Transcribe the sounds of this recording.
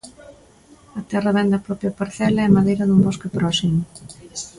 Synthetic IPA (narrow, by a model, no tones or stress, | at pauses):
ɐt̪ɛrɐβɛnd̪ɐpɾɔpjapaɾθɛlɐɛmaðejɾɐðumboskepɾɔsimʊ